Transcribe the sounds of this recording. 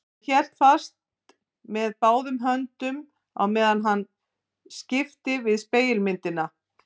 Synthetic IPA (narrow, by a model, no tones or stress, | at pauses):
çɛl̥t̪fḁst̪ | mɛðpaːwðʏmɦœnt̪ʏm | a̰wmɛːðanɦanː | scɪft̪ɪvɪðspeːjɪlmɪnt̪ɪna